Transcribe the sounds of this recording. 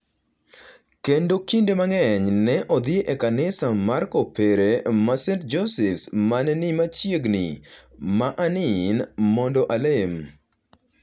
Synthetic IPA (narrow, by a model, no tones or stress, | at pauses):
kendokindemaŋɛɲnɛʔɔd̪ɪeʔekanɪsamaɾkopeɾemasɛnt̚d͡ʒosɛfsmanɛnimat͡ʃjeɡnḭmaʔanɪnmɔndɔʔalem